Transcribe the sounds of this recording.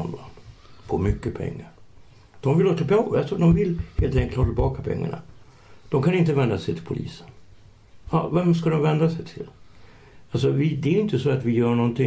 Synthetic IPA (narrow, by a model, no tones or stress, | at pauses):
ɔna̰npʰɔmʏkːəpʰɛ̰ŋːaɾ | d̪̥ɔmvɪloːt̪apɛalsɔd̪ɔmvɪlheːlt̪ʰɛŋkət̪ːɑːt̪ɪlbɑːkapʰɛ̰ŋːa̰ɳa̰ | d̪̥ɔmkʰanɪnt̪əvɛnd̪asɛjt̪ʰɪlpʰʊlḭːsə̥n | ɑ̰ːvɛmskad̪ɔmvɛnd̪asɛjt̪ʰɪl | als̬ɔvɪd̪ɛːɾɪnt̪əsɔat̪vɪjœːɳɔnt̪ɪ